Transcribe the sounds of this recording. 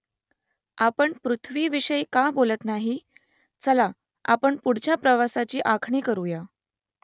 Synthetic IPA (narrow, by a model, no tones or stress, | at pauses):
apəɳpɾut̪ʰʋiːʋiɕəjkabolət̪naɦi | t͡səla | a̰pəɳpuɽ̤t͡ɕjapɾəʋasat͡ɕiːʔakʰɳiːkəɾuja